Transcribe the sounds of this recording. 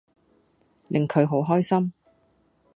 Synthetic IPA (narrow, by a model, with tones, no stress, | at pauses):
lɪ˨ŋkʰɵ˨˧ɥɦo˨˥wɦɔː˥jsɐ˥m